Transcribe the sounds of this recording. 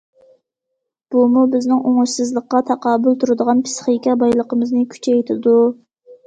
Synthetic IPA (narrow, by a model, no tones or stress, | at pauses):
b̥umubɪznɪŋoŋʊʃsɨzlˠəqːɑt̪ʰɑqʰɑːbʊlˠt̪ʰuɾɨd̪əʁɑnpʰɨ̥sχikʲɛbɑjlˠəqəmɨznɨkʲʰy̥t͡ʃʰɛjt̪ʰɪd̪u